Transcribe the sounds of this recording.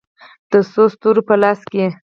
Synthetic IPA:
d̪̥əsost̪uɾopəlɑske

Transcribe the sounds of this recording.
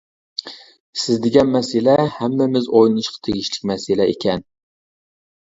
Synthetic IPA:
sɪzd̪eɡʲɛnmɛsɪlɛhæmːɪmɪzojlɨnɨʃqʰɑ̥t̪ʰeɡʲiʃlɪkʲmɛsɪlɛḛkʲɛn

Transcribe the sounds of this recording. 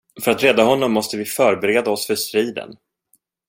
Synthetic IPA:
fœɾat̪ɾɛːd̪aɦɔnːɔmːɔst̪əvɪfœɾbɛɾeːd̪aɔsfœʂt̪ɾiːd̪ə̰n

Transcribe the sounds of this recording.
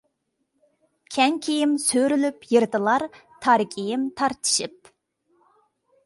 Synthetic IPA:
kʲʰɛŋkʲʰijɪmsøɾylypjɨɾt̪ɨlˠɑɾt̪ʰɑɾkʲijɪmt̪ʰɑɾt̪ʰɨ̥ʃɨp̚

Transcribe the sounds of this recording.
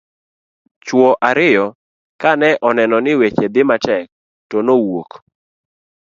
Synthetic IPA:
t͡ʃwɔʔaɾɪjɔ | kanɛʔɔnɛnɔnɪwet͡ʃed̪ɪmatɛk̚ | tonowok

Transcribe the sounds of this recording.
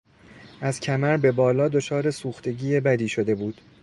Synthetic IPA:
æz̥cʰæmæɾbe̞bɒːlɒːd̪o̞t͡ʃʰɒːɾe̞suːxt̪ʰe̞ɟiːjebæd̪iːʃo̞d̪e̞buːd̪̥

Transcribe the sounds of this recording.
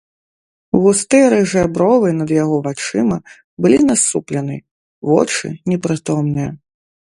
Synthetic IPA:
ɣust̪ɛɾɨʐɛbɾɔvɨnɐd̪jaɣɔvat͡ʂɨmɐ | bɨlʲinasuplʲɛnɨ | vɔ̰t͡ʂɨ̰nʲɛpɾɨt̪ɔmnɨjɐ

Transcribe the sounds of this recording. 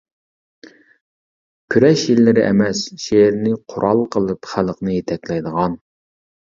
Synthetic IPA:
kʲʰyɾɛʃjilːɪɾɪʔɛ̰mɛsʃeɾnɪqʰʊɾʔɑlˠqʰəlˠɨpχæləqnɨjet̪ʰɛkʲlɛjd̪əʁɑn

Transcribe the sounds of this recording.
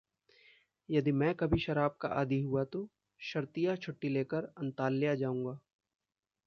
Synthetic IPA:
jɐd̪imɛ̃ːkɐbʱiʃɐɾaːb̚ka̰ʔaːd̪iɦuat̪o | ʃɐɾt̪ijat͡ʃʰʊʈːileːkəɾɐ̃nt̪aːlːɪjad͡ʒaːũːŋɡaː

